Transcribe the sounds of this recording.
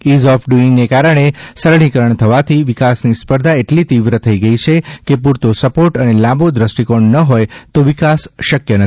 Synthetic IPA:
izɔfɖuɪŋɡnekaɾəɳ̃esəɾɳ̃ikəɾəɳt̪ʰəʋat̪ʰiʋikasnispəɾd̪ʱaeʈlit̪iʋɾət̪ʰəiɡəit͡ʃʰekepuɾt̪osəpoʈənelãmbod̪ɾəsʈikoɳnəɦojt̪oʋikasʃəkjənə

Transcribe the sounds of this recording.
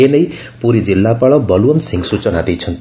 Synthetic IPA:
enʌj | puɾid͡zilːapaɭʌbʌluʌnsiŋɡsut͡sʌnat̪ijt͡sʰʌnt̪

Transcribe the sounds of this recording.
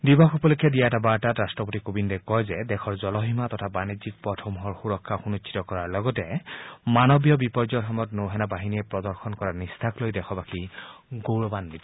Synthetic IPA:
dibɔxupɔlokʰːɛdijaɛtabaɹtatɹastɹɔpotikobindɔkɔjzɛdɛxʰɔɹzɔlɔɦimatɔtʰabanizik̚pɹɔtʰɔmɦɔɹxuɹɔkʰːaxunut͡ʃʰi̥tɔkɔɹaɹlɔɡɔtɛmanɔbijɔbipɔɹzɔxɔmɔtnoɦɛnabaɦiniɛpɹɔdɔɹxɔnkɔɹanistʰaklojdɛxʰɔbakiɡoɹɔbanːit

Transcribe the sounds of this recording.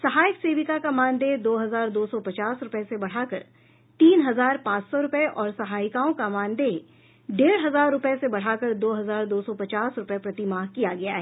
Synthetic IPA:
sɐɦaːɪkseːʋɪkakamãːnd̪ed̪oːɦɐzaːɾd̪oːsɔpɐt͡ʃaːsɾʊpesebɐɽ̤aːkəɾ | t̪iːnɦɐzaːɾpãːt͡ʃsɔɾʊpeʔɔːɾsɐɦaːɪkaːõkamãːnd̪e | ɖeːɽɦɐzaːɾːʊpesebɐɽ̤aːkəɾd̪oːɦɐzaːɾd̪oːsɔpɐt͡ʃaːsɾʊpepɾɐt̪imaːɦkijaɡɐja̰ɦɛː

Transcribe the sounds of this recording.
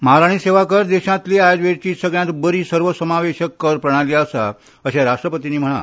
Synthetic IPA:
məɦaɾaɽ̃iːseʋakəɾd̪eɕãt̪liajd̪ʋeɾt͡ɕiːsəɡɭjãt̪bəɾiːsəɾʋəsəmaʋeɕəkːəɾpɾəɽ̃alijaəsa̰ | əɕaɾaʂʈɾəpət̪iniːm̤əɽ̃a̰

